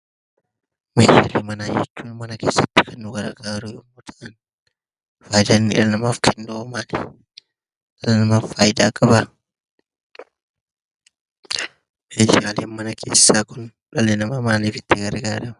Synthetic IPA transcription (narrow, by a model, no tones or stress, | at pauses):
meːd͡ʒa̰ːleːmɐnaːjɛ̰t͡ʃːuːnmɐnɐke̞ːsːɐt̪ːɪ̥kʰɐnːʊɡɐɾɡaːɾʊjɔmːɔt̪ʰɐʔɐn | faːjd̪anːɪ̰lɐnɐmaːfkʰɛnd̪ɔɔmaːlɛ | ᶑɐlɐnɐmaːfaːjɪd̪aːkʼɐbɐ | meːd͡ʒaːleːnmɐnɐkʰe̞̰ːsːaːkʊn | ᶑɐlenɐmɐmaːniːfɪt̪ːɪɡɐɾɡaːɾɐmɐ